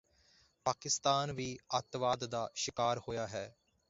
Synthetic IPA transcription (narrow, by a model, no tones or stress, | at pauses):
paːkɪst̪aːnʋiːət̪ʋaːd̪d̪aːʃɪkaːɾhoːjaːɦɛː